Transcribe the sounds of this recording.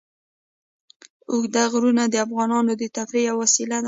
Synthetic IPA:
ʊɡd̪aɣɾunad̪əafɣɑnɑnod̪ət̪afɾijawasilad̪

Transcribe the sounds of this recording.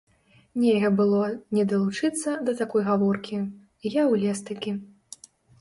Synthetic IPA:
nʲelʲɣɐbɨlˠɔnʲɛd̪ɐlˠut͡ʂɨt̪sːɐd̪ɐt̪akɔjɣavɔrkʲi | jawlʲɛst̪ɨkʲi

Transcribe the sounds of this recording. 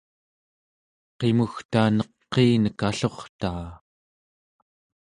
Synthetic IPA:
qe̞muxt̪aːnʌqːeːnəkaɬo̞χt̪aː

